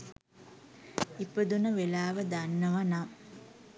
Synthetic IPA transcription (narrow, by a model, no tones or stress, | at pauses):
ipəd̪unəʋelaːʋəd̪anːəʋanam